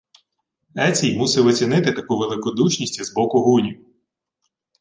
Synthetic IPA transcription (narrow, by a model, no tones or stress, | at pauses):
ɛt͡sʲijmusɛʋɔt͡sʲinɪt̪ɪt̪ɐkuʋelˠɪkɔd̪ut͡ʃnʲisʲtʲizbɔkʊɦunʲi